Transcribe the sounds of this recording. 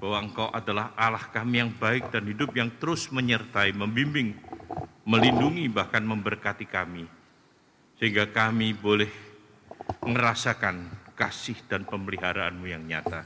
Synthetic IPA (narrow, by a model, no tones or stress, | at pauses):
b̥awaəŋkawʔadalahʔalahkamijaŋbaɪk̚d̥anhidʊp̚jaŋt̪əɾʊsməɲərt̪aiməmbimbɪŋ | məlinduŋibahkanməmbərkat̪ikami | səɦiŋɡakamibolɛh | ŋəɾasakankasɪhd̥anpəməliɦaɾaa̰nmujaŋɲa̰t̪a